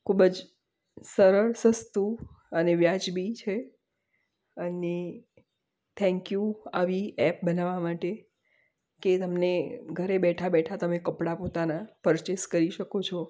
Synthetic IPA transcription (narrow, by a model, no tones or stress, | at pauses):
kʰubəd͡ʒ | səɾəɭsəst̪u | əneʋjad͡ʒbit͡ʃʰe | əne | t̪ʰɛ̃ŋkjũaʋiɛp̚bənaʋamaʈe | ket̪əmneɡʱəɾebɛʈʰabɛʈʰat̪əmekəpɽapot̪anapəɾt͡ʃeskəɾiʃəkot͡ʃʰɔ